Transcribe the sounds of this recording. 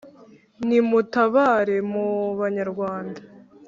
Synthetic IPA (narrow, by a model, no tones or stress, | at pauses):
nimutaβaɾe̞muβaɲaɾɡwaːndḁ